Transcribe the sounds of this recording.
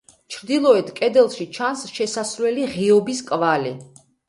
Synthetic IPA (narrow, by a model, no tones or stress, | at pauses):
t͡ʃʰɾd̪ilˠɔɛt̪ʰkʼɛd̪ɛlˠʃit͡ʃʰansʃɛsasɾlɛliʁiɔbiskʼvali